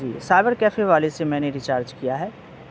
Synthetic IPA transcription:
d͡ʒḭːsaːɪbəɾkɛːfeʋaːlesemɛ̃ːneɾɪt͡ʃaːɾd͡ʒkijaɦɛː

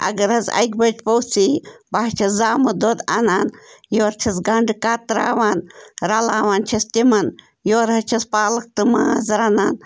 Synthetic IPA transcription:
ɐ̰ɡɐɾɐzɐ̰jk̚bɐd͡ʒpɐwsibaɦt͡ʃʰɐszaːmɨd̪od̪ɐnaːnjoːɾt͡ʃʰɐsɡɐɳɖkat̪ɾa̰ːʋaːnɾɐlaːʋaːnt͡ʃʰɐst̪imɐn | joːɾɦɐt͡ʃʰɐspaːlɨk̚t̪ɨmaːɐzɾɐnaːn

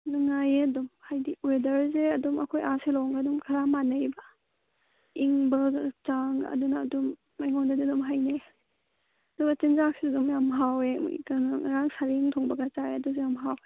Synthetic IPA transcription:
naŋajeɐdumhajdiwedɐɾzeɐdumɐ̰kʰojaselɔŋɡadumkʰɐɾamanɐjbɐ | iŋbɐt͡ʃaŋɐ̰dunɐːdumː | ajŋɔndadidumɦajne | ɐduɡɐt͡ʃinzak̚sidɐdumjamɦawḛkɐŋŋaɾaŋsaɾiŋtʰɔŋbɐɡɐt͡ʃaeɐduzejamɦaw

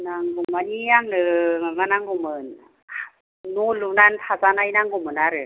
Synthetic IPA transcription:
naŋluŋmanijaŋnɯmamanaŋɡumɯn | nulunanpʰasanajnaŋɡumɯnaɾɯ

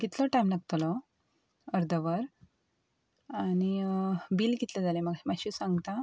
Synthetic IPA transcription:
ɡit̪lɔʈajmnaɡt̪lɔ | əɾd̪ʱəʋəɾ | añibilɡit̪led͡zaleməɡmaɕisãŋɡt̪a

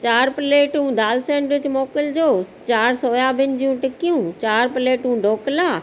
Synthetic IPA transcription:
t͡ɕaːɾpɪleːʈɦũd̪aːlsẽːɳʈʋɪt͡ɕmoːkɪld͡ʑoː | t͡ɕaːɾsoːjaːbʱɪnd͡ʑijũːʈɪkijũt͡ɕaːɾpɪleːʈũːɖʱoːkɪlaː

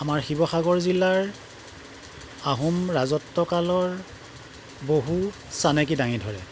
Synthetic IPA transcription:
amaɹxibɔxaɡɔɹzilaɹ | aɦumɹazɔtːɔkalɔɹ | boɦu | sanɛk̬idaŋidʱɔɹɛ

